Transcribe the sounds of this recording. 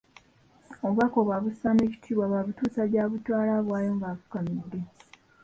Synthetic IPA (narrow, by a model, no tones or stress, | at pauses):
o̞βwako̞βwaβusane̞ːci̥tʰiːβwaβaβutuːsaljaːβutwaːlaβwaːjo̞ːŋɡafu̥kamidːe̞